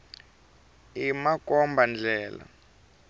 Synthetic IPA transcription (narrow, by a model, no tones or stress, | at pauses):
imakɔmband͡ɮʱɛːla̰